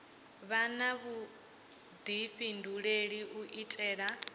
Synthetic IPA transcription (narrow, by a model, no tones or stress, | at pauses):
βanaβu | d̪iɸinduɺeɺiʔuʔitʼɛːɺa